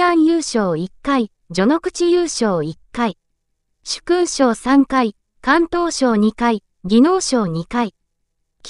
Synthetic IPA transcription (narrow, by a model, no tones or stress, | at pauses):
ãɰ̃jɯ̟ːɕo̞ːikːai | d͡ʑo̞no̞kɯ̟t͡ɕijɯːɕo̞ːikːai | ɕɨ̥kɯːɕoːsãŋkai | kãnt̪o̞ːɕo̞ːɲ̟ikai | ɡʲino̞ːɕo̞ːɲ̟ikai | kʲ